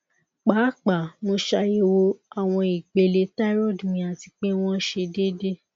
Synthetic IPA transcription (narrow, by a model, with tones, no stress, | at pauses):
k͡paː˨˦˨k͡pa˨mõ˧ʃa˧je˧wo˧a˨w̃ɔ̃˧i˨ɡ͡be˨le˧ta˦i˦ɾɔ˦˨dmĩ˧˦a˨ti˧k͡pe˦w̃ɔ̃˦ʃe˧de˦de˦